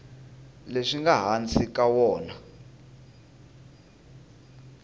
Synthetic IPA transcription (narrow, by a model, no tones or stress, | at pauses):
leʂiŋɡaɦant͡sʰʼik̬ʼawɔːna